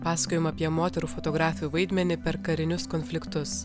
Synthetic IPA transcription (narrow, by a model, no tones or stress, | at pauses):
pɑːsɐkʲoːjɪmɐːpʲiɛmoːt̪ʲɛɾuːfɔt̪ɔɡɾɑːfʲɪjuːʋɐɪd̪ʲmʲɛnʲɪpʲɛɾkɐɾʲɪnʲʊskɔnʲfʲlʲɪkt̪ʊs